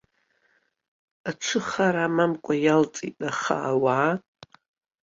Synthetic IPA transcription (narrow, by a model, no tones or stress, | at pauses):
aʈ͡ʂʷʰɨχaɾaːmamkʷʼajalt͡sʼḭtʼaχa̰ːwaː